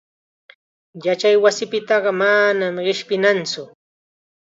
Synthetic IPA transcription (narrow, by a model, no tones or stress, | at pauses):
jat͡ʃajwasɪpɪt̪ɑɢɑmanamɢɪʃpɪnant͡sʊ